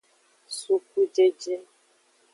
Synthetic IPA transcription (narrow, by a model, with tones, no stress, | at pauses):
su˦k̚u˦d͡ʒe˦d͡ʒe˦